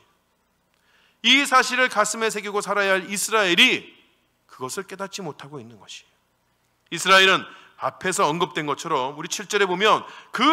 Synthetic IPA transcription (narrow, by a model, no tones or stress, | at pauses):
isʰaɕʰiɾɯɭkas͈ʰɯme̞s̬ʰe̞ɡiɡosʰaɾajaɦaɭisʰɯɾaeɾi | kɯɡʌsʰɯɭk͈e̞dat̚t͡ɕ͈imotʰaɡoinːɯnɡʌɕʰi̥o | isʰɯɾaeɾɯn | apʰe̞s̬ʰʌːʌnɡɯp̚t͈we̞nɡʌt͡ɕʰʌɾʌmuɾit͡ɕʰiɭt͡ɕ͈ʌɾe̞bomjʌnkɯ